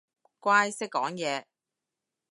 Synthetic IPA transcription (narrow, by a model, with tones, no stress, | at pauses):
kʷwaː˥jsɪ˥kːɔː˨˥ŋjɛː˨˧